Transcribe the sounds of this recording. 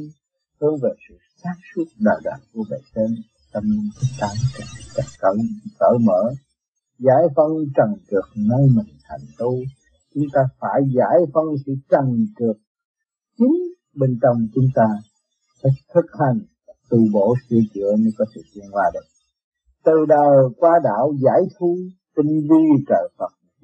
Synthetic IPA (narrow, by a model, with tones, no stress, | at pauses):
hɨ˧əŋve˨˩sɨ̰˧˨saː˦˥k̚su˦˥ət̚ɗa̰ː˨˩wɗa̰ː˧˨˩ŋku˧˩əɓḛ˧˨˩se˧n | t͡ɕə˧mi˧ŋtʰɨ˨˦t̚t̪aː˨˧nka˨˩ŋi˧˦t͡ɕa˨˩kə˧˦wkəː˧˩mə̰ː˧˩˦ | za̰ː˧˩jfə˧ŋt͡ɕə˨˩ŋkɨ˨˩ək̚na˧jmï˨˩ŋt̪ʰa˨˩jŋ̟t̪u˧ | t͡ɕʊ˨˦ŋ͡mt̪aː˧faː˧˩jza̰ː˧˥jfə˧ŋsɨ̰˧˨t͡ɕə˨˩ŋkɨ˨˩ək̚ | t͡ɕï˨˦ŋ | ɓe˧nt͡ɕɔ˧wŋ͡mt͡ɕʊ˨˦ŋ͡mt̪aː˧ | t̪ːk̚t̪ʰɨ˦˥k̚ha˨˩ŋ | t̪u˧˩ɓo̰˧˨sɨ˧ət͡ɕɨ̰˧˨əɲɨ˧kɔ˨˦t̪ʰɨ̰˧˩zwi˧ənkwaː˧ɗɨ˨˩ŋ | t̪ɨ˨˩ɗəː˨˩kwaː˧ɗa̰ː˧˨wza̰ː˧˥jt̪ʰu˧t̪ï˧ŋvi˧t͡ɕəː˨˩fə˨˩t̚